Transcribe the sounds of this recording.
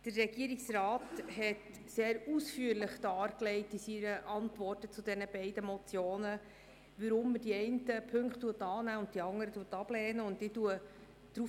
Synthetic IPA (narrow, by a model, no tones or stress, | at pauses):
d̥əɾːɛɡiːəɾiksɾɑːthɛt | seːɾusfyəɾlɪχd̥ɑːɾklɛɪtisiɾəʔɑntvɔrtət͡sudɛnəbɛɪdəmɔt͡sjoːnə | ʋəɾʊmːəd̥iɛɪntəpʰɵŋkχtːuətɑːnæːʊnt̚d̥iɑŋːəɾətuətɑb̥lɛːnəʊntdituə | d̥ɾu